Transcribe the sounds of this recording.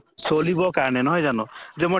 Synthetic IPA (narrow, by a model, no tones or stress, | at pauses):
solibɔkaɾɽ̃enɔɦẽd͡ʒanud͡ʒemɔ